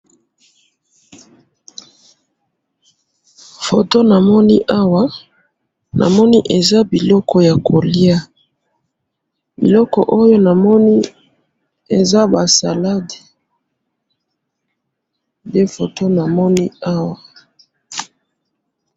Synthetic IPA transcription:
fo˨to˦na˨mɔ˦ni˦ʔa˦wa˦ | na̰˨mɔ˦ni˦ʔe˨za˦bi˨lɔ˦kɔ˦ja˨kʰo˨li˦a˦ | bḭ˨lɔ˦kɔ̰˨ʔo˦jo˦na˨mɔ˦ni˦ | e˨za˦ba˨sa˨la˦de˨ | nde˦fo˨to˦na˨mɔ˦ni˦a˦wa˨

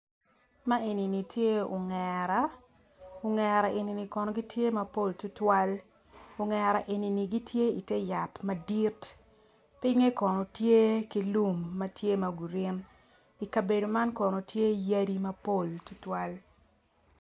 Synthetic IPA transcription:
ma˦e˨ni˨ni˨tʰje˦o̰˨ŋɛɾa˦ | o˨ŋɛ˨ɾa˨ʔe˨ni˨ni˨kɔ˨no˨ɡi˦tʰje˦mɐ˦po˦˨ltu˦twa˦l | o˨ŋɛ˨ɾa˨ʔe˨ni˨ni˨ɡi˦tʰje˦i˨te˦ja˨tma˦di˦t | pi˦ŋe˦kɔ˨no˨tje˦ki˦lu˦mːɐ˦tje˦mɐ˨ɡu˨ɾɪ˦n | i˨ka˨be˨do˨ma˦nkɔ˨no˨tje˦ja˦di˦mɐ˦po˦˨ltu˦twa˦l

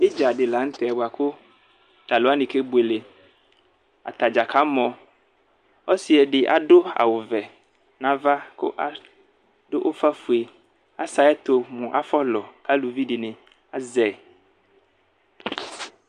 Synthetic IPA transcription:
e˦d͡ʒa˨ɖɪ˨la˨˦ŋ̩˦t̪ɛ˨ɛ˨ba˨kʊ˦ | t̪a˨lo˨˦a˦nɪ̃˨ke˦bu˨e˨le˨ | a̰˨t̪a˨d͡ʒa˨kʰa˦mɔ̃˨ | ɔ˦si˨˦ɛ˨ɖɪ˨ʔa̰˨ɖo˦a̰˨wo˨vɛ˨ | nã˦va˦kʊ̰˦ʔa˦ | do˦ʔo˦fa˦fu˨e˨ | a˦sa˨ɛ˦t̪o˨mũ˨ʔa̰˦fɔ˦lɔ˨ka˦lu˨vi˦ɖɪ˨nɪ̃˨ | a˦zɛ˨

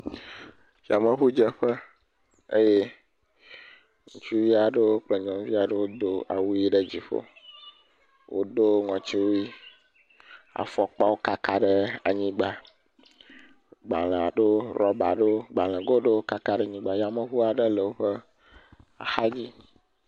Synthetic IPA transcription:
ja˨mə˨ɦu˦d͡ʒə˦ɸə˦ | e˦je˦ | ŋu˨t͡ʃu˦vi˦a˨ɖə˦wo˦k͡ple˨ɲɔ̃˨vi˦a˨ɖə˦wo˦d̪o˨a̰˨wu˦ji˦ɖə˦d͡ʑi˨ɸo̰˦ | wʔo̰˦d̪o˦ŋɔ̃˨t͡ʃi˦wo˦ji˦ | a̰˨fɔ˨k͡pa˦wo˦ka˦ka˦ɖə˦a̰˨ɲĩ˦ɡ͡ba˨ | ɡ͡ba̰˨le˨a̰˨ɖe˦ɾɔ˦ba˨ɖe˦ɡ͡ba˨lə̃˨ɡo˦ɖe˦wo˦ka˦ka˦ɖe˦ɲĩ˦ɡ͡ba˨ja˨mə˨ɦu˦a˨ɖə˦lə˨wo˦ɸə˦ | a̰˨xa˦d͡ʑi˦

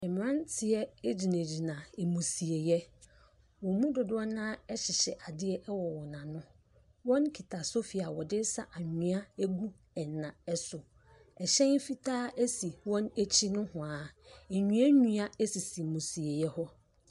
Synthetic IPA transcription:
ɛ˨m̃˨ɾã˦n˦tʰɪ˨ɛ˦d͡ʑi˨nã˨d͡ʑi˨nã˨ɛ˨mũ˨si˨e˨jɛ˦ | wɔ̃˨mũ˦dʊ˨dʊ˦ɔ˦nãː˦ɛ˦ɕɪ˨ɕɛ˨ʔa˨dɪ˦ɛ˦ʔɛ˦wɔ˨wɔ˨nã˨nʊ̃˦ | wɔ̃˦nkʰi˨tʰa˨so˦fi˨a˨wɔ˨dɪ˦sa̰˨ʔa˨ɲɪ̃˨a˦æ˦ɡu˦ | ɛ˨nːã˨ɛ˦sʊ˨ | ɛ˨ɕɛ̃˦n˦fi˦tʰaː˦ʔæ˦si˨wɔ̃˦næ˦t͡ɕʰi˦nʊ̃˦hʊ̃˨a˨ɛ˨ɲũ˨˦a˦ɲũ˦a˦e˦si˨si˨mũ˨si˨e˨jɛ˦hɔ˦

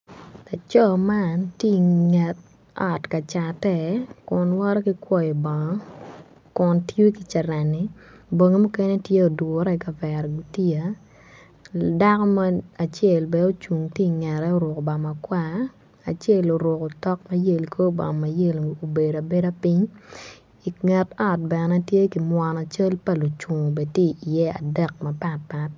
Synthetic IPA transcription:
la˨t͡ʃɔ˦˨ma˦ntje˦ŋɛ˨t̚ | ɔ˨tka˨t͡ʃa˨tɛ˦kʊ˨nwɔ˦ɾɔ˦ki˦kwɔ˦˨i˨bɔ˨ŋɔ˦ | kʊ˨ntju˦ki˨t͡ʃɛ˨ɾa˨nːi˦ | bo˨ŋe˦mu˦ke˦ne˦tje˦o˨dwɔ˨ɾɛ˦˨ka˨vɛ˨ɾɡu˨ti˦a˨ | da˦kɔ˦ma˦a˨t͡ʃe˦˨lbɛ˨o˦t͡ʃu˨ŋtje˦˨ŋɛ˨ɾɛ˦o˦ɾʊ˨ko˨ba˨ma˨kwa˦˨ | a˨t͡ʃe˦˨lo˨ɾʊ˨ko˨tɔ˦k̚ma˦je˨lkʰo˦ba̰˨ma˨je˦˨lo˨be˨da˨be˦da˦pi˦ɲ | i˨ŋɛ˨tɔ˦˨t̚bɛ˨nɛ˦tje˦ki˨mwa˨na˨t͡ʃe˦lpa˦lu˨t͡ʃu˨ŋ˨be˨tje˦˨jɛ˦a̰˨dɛ˦k̚mɐ˨pa˦t̚pa˦t̚

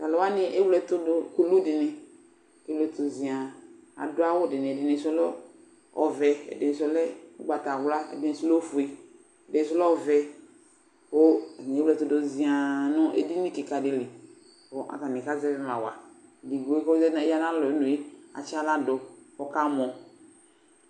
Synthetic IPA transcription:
ta˨lɔ˨wa˦nɪ˦ʔe˦wlɛ˦tʊ˦do˦ko˦lu˦dɪ˨ne˨ | ke˦wlɛ˦t̪o˨zi˨a˨a̰˨dʊ˦a˦wʊ˦dɪ˨ne˨dɪ˨ne˨˦sɔ˦lɔ˦ | ɔ˨vɛ˨ɛ̰˨dɪ˨sɔ˦lɛ˦ɡ͡ba˨ta˨wla˦ɛ̰˨dɪ˨ne˨sɔ˦lo˦fu˨i˦ | ɛ˨dɪ˨˦s̬ɔ˦lɔ˦ɔ˦˨vɛ˨ | wo˦˨ɲ˨˦lɛ˦tʊ˨do˨zi˨a˨nɔ˦ʔḛ˦di˦nĩ˦ki˨ka˨dɪ˨˦lɪ˨ | o˦ʔa̰˨ka˨mẽ˨ka˦zɛ˦ɾn˨a˨wa̰˨di˨ɡo˨˦ko˦zɛ˦˨˦ja˦nã˦lɔ˨˦no˨i˦a̰˨t͡ʃa˦la˦do˨ɔ˦ka˦mɔ˨

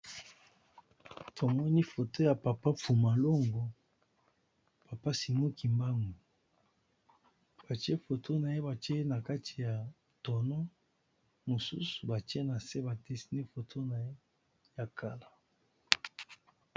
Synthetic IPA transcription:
tʰo˨mɔ˦ni˦fo˨to˦ja˨pa˨pa˦fu˨ma˨lo˦ŋɡo˨ | pa˨pa˦si˨mo˦ki˨mba˦ŋɡu˨ | b̥a˨t͡ʃe˦fo˨tʰo˦na˨e˦ba˨t͡ʃe˦na˨ka˦tʰi̥˨ja˨ | tɔ˨nɔ˦ | mo˨sṵ˦su˨ba˨te˦na˨se˦ba˨te˦si˦ne˦fo˨tʰo˦na˨e˦ | ja˨ka˦la˨

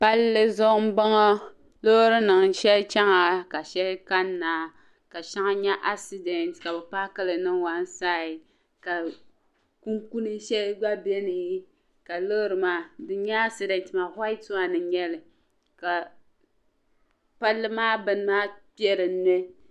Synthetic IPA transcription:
pa˦lːɨ˦zɔ˦m˦ba˦ŋɔ˦ | lo˦ɾɨ˦nɨ˨ŋ˨ʃɛ˦lt͡ʃa˦ŋa˨ka˨ʃɛ˦lka˦nːaː˨ | ka˨ʃa˦ŋa˦ɲɛ˦ʔa˦ksi˦dɛ˨ntka˨bɛ˨pa˦kɨ˦lɨ˨nɨ˦ŋwa˦n˦saː˦ɪ˨ | ka˨ | ku˦ŋku˦nɨ˦ʃɛ˦lɡ͡ba˦bɛ˦nɨ˨˦ | ka˨lo˦ɾɨ˨maː˨˦dɨ˨ɲɛ˦a˦ksi˨dɛ˨ntɨ˨ma˨ha˦ɪ˦tʊ˦a˨nɨ˨ɲɛ˦lɨ˨ | ka˨ | pa˦lːɨ˦maː˦bɨ˦n˦maː˦pi˦ɛ˦ɾɨ˨n˦nɛ˦

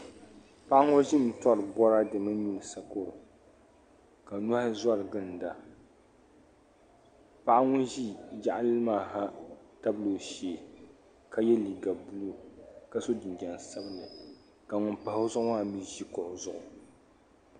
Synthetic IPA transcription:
pa˦ʔa˦ŋʊ˦ɾʒi˦m̩˨tɔ˦ɾɨ˨bɔ˦ɾa˦dɨ˨mɨ˦ɲu˦lɨ˨sa˨ko˦ɾʊ˨ | ka˨nu˦ha˦za˦ɾɨ˨ɡɨ˦n˨da˨ | pa˦ʔa˦ŋʊ˦nʒi˦d͡ʒa˦˨ʔa˦lɨ˦lɨ˦maː˦˨ɦa˦ta˦blo˨ʃeː˨ | ka˦jɛ˦li˨ɡa˨bu˦lo˦ka˦so˦dɨ˨nd͡ʒɛ˨n˨sa˦bɨ˦nɨ˨ | ka˨ŋʊ˦npa˨hʊ˦zʊ˦ʔʊ˦maː˦mi˦ʒi˦kʊ˨ʔʊ˨zʊ˨ʔʊ˨

